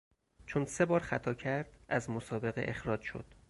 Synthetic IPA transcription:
t͡ʃʰonse̞bɒːɾxæt̪ʰɒːcʰæɾd̪̥ʔæzmosɒːbe̞ɣeʔexɾɒːd͡ʒʃo̞̰d̪̥

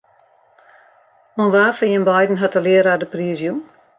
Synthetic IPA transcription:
onʋaːfəjənbajdn̩ɦatəlɪəɾadəpriəzjun

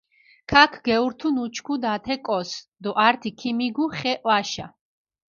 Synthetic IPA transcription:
kʰakʰɡɛuɾt̪ʰunut͡ʃʰkʰud̪at̪ʰɛkʼɔsd̪ɔʔaɾt̪ʰikʰimiɡuχɛʔwaʃa̰

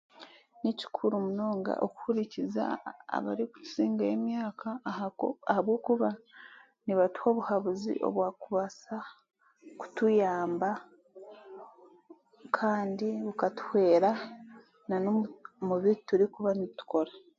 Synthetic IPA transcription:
nici̥kʰuɾumuno̞ːŋɡa̰ʔo̰ku̥huɾiciza̰ːβa̰ɾiku̥tu̥ziːŋɡaemjaːkʰa | ahaβwo̞ːkuβa | niβatu̥ho̞ːβuhaβuzḭʔo̞̰βwaːkuβasa | ku̥tujaːmba | kʰaːndiβukatu̥hwe̞ːɾa | nanomuβituɾikuβanitu̥ko̞ɾa

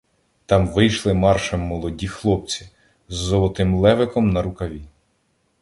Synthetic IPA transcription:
t̪ɑmʋɪjʃlˠɪmɑrʃɐmːɔlˠɔdʲixlˠɔp̚t͡sʲi | zːɔlˠɔt̪ɪmlˠɛʋɪkɔmnɐɾʊkɐʋʲi

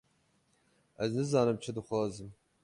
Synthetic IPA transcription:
ʔɛznɨzɑːnɨmt͡ʃʰɨd̪ɨxʷɑːzɨm

